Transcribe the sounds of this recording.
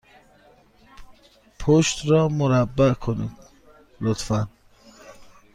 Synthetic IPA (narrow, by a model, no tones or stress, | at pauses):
pʰoʃt̪ɾɒːmoɾæbːækʰoniːd̪̥ | lot̪fæn